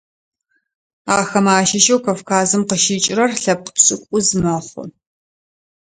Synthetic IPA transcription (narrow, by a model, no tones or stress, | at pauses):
aːxɐmaːʃɐʃɐwkʰɐfkʰaːzɨmqəʃiːt͡ʃʼɪrɐrɬɐp̚pɕʼɪkʷʼʊzɨmɐχʷʊ̰